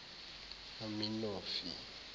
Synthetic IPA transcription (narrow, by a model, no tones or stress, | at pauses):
aminoːfḭ